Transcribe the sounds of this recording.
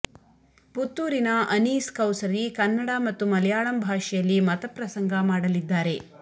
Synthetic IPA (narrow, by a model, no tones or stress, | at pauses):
put̪ːuːɾinɐʔɐniːskɐwsɐɾikɐnːɐɽamɐt̪ːumɐlɐjaːɭɐmbʱaːʂɛjɐlːimɐt̪ɐpɾɐsɐŋɡɐmaːɽɐlid̪ːaːɾe̞